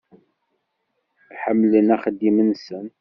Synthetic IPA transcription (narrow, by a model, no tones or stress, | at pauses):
ħəmːlənæχəd̪ːimənsən